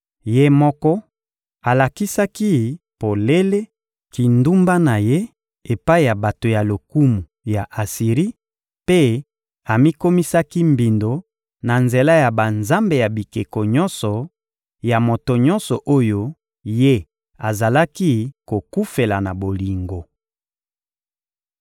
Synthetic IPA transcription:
je˦mɔ˦kɔ˦ | a˨la˨ki˦sa˦ki˦ | po˨le˦le˦ | ki˨ndu˦mba˦na˨je˦ | e˨pa˦i˨ja˨ba˨to˨ja˨lo˨ku˦mu˨ | ja˨ʔa˨si˨ʁi˦ | pe˦ | a˨mi˦ko˦mi˦sa˦ki˦mbi˨ndo˨ | na˨nze˨la˦ja˨ba˨nza˦mbe˨ja˨bi˨ke˨ko˨ɲɔ˦nsɔ˨ | ja˨mo˨to˨ɲɔ˦nsɔ˨ʔo˦jo˦ | je˦ | a˨za˨la˦ki˦ko˨ku˦fe˨la˨na˨bo˨li˨ŋɡo˨

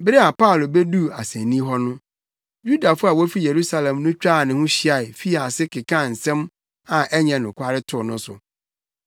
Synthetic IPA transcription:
bɪ˦ɾɪ˦a˨pʰa˦ʊ˨lo˨bɛ˦du˦a˨sɛ̃˨nĩ˦ɦɔ˦nʊ̃˦ | ju˦da˨fʊ˦a˨wo˦fi˦je˨ɾu˦sa˦lɛ̃˨mnʊ̃˦t͡ɕᶣɾaː˦˨nɪ̃˨hʊ̃˦ɕi˦a˨ɪ˨fi˦a˨sɪ˦kʰɪ˨kʰã˦˨n̩˨sɛ̃˦m | ã˨ʔɛ˦ɲã˨nʊ̃˨kʷʰa˦ɾɪ˦tʰʊ˦˨nʊ̃˦sʊ̰˨

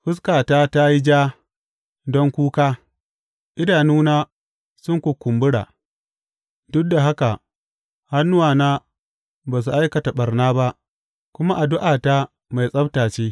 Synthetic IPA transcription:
ɸʊ˦s̬kaː˨taː˦ta˦ji˦d͡ʒaː˦ | dɔ˦ŋkʷuː˦kaː˦ | ʔɪ˦daː˨nuː˦naː˦ | sʊ˦ŋkʷu˨kʷʊ˨mbʊ˦ɽa̰ː˨ | dʊ˦k̚da˨ɦa˦ka˨ | ha˦nːʊ˦waː˨naː˦ | baː˨s̬u˨ʔa˦jkɐ˨ta˨ɓɐ˨rnaː˦ba˦ʔ | kʷʊ˦ma˦ʔa˨dʊ˦ʔaː˨ta˦ | ma˨jsʼɐ˦btaː˨t͡ʃeː˦

